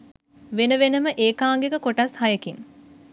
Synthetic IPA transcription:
ʋenəʋenəməʔeːkaːŋɡekəkoʈashajəkin

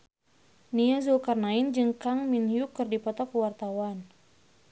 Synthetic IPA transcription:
niazulkarnaind͡ʒɨŋkaŋminjukːɨrdipɔt̪ɔkuwart̪awan

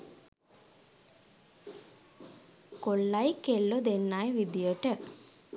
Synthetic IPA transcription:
koɭːajkelːod̪enːajʋid̪ijəʈə

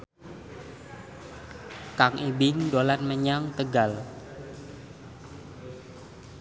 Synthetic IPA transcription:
kaŋʔibɪŋdolanməɲaŋt̪əɡal

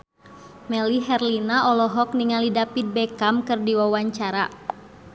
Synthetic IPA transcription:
mɛliɦɛrlinaʔɔlɔɦɔk̚niŋalidapid̪̚bɛkamkɨrdiwawaɲt͡ʃaɾa

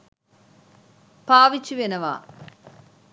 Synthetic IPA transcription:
paːʋit͡ɕːuʋenɐʋa̰ː

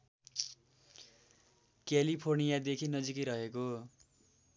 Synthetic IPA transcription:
kalipʰornijad̪ekʰinʌd͡zikiɾʌɦeko

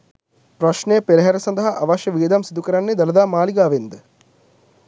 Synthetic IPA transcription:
pɾɐʃɳejpeɾɐɦɐɾɐsɐnd̪ɐɦɐʔɐʋɐʃjɐʋiːd̪ɐmsid̪ukəɾɐnːed̪ɐlɐd̪aːmaːliɡaːʋend̪ə

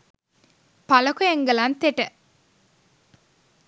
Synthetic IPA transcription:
pɐlɐkojeŋɡɐlant̪eʈə

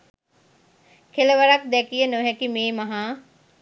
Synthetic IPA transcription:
kʰeləʋɐɾak̚d̪ɛkijənoɦɛkimẽːmɐɦã

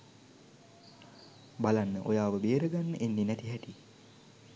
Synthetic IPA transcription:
balanːəʔojaːʋəbeːɾəɡanːəʔenːinæt̪iɦɛʈi

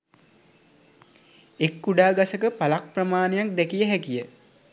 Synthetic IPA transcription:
ekːuɖaːɡasəkəpalak̚prəmaːnejak̚d̪ɛkijəɦɛkijə

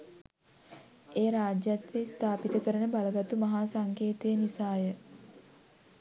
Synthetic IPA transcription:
eːɾaːd͡ʒjat̪ʋest̪ʰaːpit̪əkəɾənəbaləɡat̪umaɦaːsaŋkeːt̪ejənisaːjə

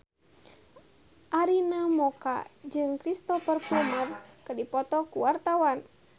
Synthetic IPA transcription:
ʔaɾinamɔka̰d͡ʒɨŋkɾist̪ɔfərfɔmərkədipɔt̪ɔkuwart̪awan

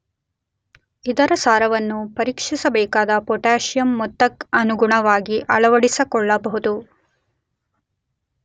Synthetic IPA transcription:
id̪ɐɾɐsaːɾɐʋɐnːupɐɾiːkʂisɐbɛːkaːd̪ɐpɔʈaːʃjɐmːɔt̪ːɐkɐnuɡuɳɐʋaːɡiʔɐɭɐʋɐɽisɐkɔɭːɐbɐɦud̪u

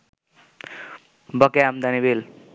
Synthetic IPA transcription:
bʌkeamd̪anibel

